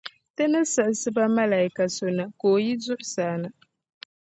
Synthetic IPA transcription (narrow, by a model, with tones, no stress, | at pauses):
tɨ˦nɨ˦sɨ˨ʔɨ˨sɨ˦ba˦ma˦la˨i˦ka˨so˦na˨koː˨ji˦zʊ˦ʔʊ˦saː˨˦nɨ˨